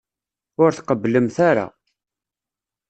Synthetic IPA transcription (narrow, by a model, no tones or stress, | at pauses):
ʊɾθqəbləmθaɾa̰